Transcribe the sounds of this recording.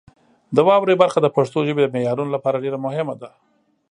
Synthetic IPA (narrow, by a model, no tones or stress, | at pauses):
d̪əwɑwɾebaɾxad̪əpaʂt̪oʒəbed̪əmejɑɾunolapɑɾaɖeɾamʊhɪmad̪a